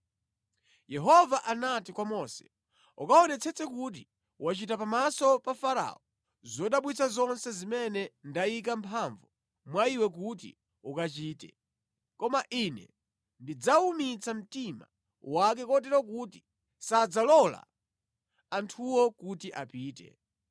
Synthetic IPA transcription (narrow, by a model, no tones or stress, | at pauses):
jɛɦɔvaʔanatikwamɔsɛ̥ | ukaɔnɛt͡sʰɛt͡sɛkut̬i | wat͡ʃitapamasɔpafaɾa̰ɔ | zɔɗaɓwit͡sazɔnsɛzimɛnɛndajikampʰaɱvu | mwaiwɛk̬ut̬ḭ | ukat͡ʃiːtɛ̰ | kɔmaʔinɛ̰ | ndid͡zaumit͡sam̩tima̰ | wak̬ɛkɔt̬ɛɾakuti | sad͡zalɔla̰ | antʰuwɔkutiʔapiːtɛ̰